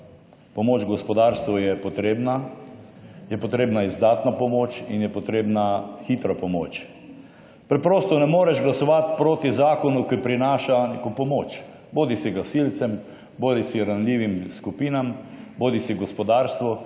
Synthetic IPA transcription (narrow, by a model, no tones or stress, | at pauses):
pɔmoːt͡ʃɡɔspɔd̪aːɾst̪ʋɔjɛpɔt̪ɾeːbna | jɛpɔt̪ɾeːbnaizd̪aːt̪napɔmoːt͡ʃinjɛpɔt̪ɾeːbnaxiːt̪ɾɔpɔmoːt͡ʃ | pɾɛpɾoːst̪ɔnɛmoːɾɛʒɡlasɔʋat̪pɾoːt̪izaːkɔnukipɾinaːʃanekɔpɔmoːt͡ʃ | boːd̪isɛɡasiːlt̪sɛm | boːd̪isiɾanlʲiːʋimskupiːnamboːd̪isiɡɔspɔd̪aːɾst̪ʋɔ